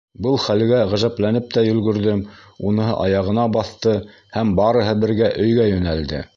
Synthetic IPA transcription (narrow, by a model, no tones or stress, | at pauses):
bɤlˠχælɡæʁæʒæplænɘp̚t̪æjɵ̆lɡɵ̆ɾðɘmunɤ̆ɦɤ̰ʔɑjɑʁɤ̆nɑbɑθt̪ɤ | hæmbɑɾɤ̆ɦɤbɘ̆ɾɡæʔɵ̆jɡæjɵ̆næld̪ɘ̰